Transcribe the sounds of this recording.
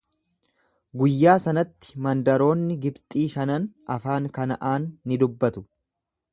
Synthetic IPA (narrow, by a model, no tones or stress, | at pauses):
ɡʊjːaːsɐnɐt̪ːɪ̥mɐnd̪ɐɾo̞ːnːɪɡɪbt̪ʼiːʃɐnɐnʔɐfaːŋkɐnɐʔaːnːɪd̪ʊbːɐt̪ʊ̥